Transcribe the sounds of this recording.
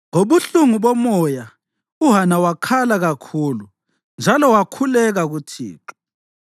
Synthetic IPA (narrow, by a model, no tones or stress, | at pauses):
ŋoβuɬuŋuβɔmɔja | uɦanawakʰalaɣakʰuːlu | nd͡ʒʱalɔwakʰulɛɣaɣutʰḭːǁɔ̥